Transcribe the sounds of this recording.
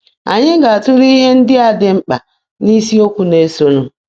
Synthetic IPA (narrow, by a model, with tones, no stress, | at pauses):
a̰˨ɲɪ˦ɡa˨a˨tʊ˦ɾi˦ɦe˦n̩˦dɪ˦a˨dɪ˨˦ŋ͡m̩˦k͡pa̰˨ | ni˦si˦o˦kʷu˦ne˦so˦nu˨